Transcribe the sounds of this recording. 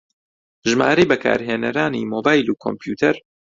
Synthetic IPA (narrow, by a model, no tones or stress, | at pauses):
ʒmaːɾejbɐkʰa̰ːɾɦeːnɐɾaːnḭmoːbaːjluːkʰo̰mpʰjuːt̪ʰɐɾ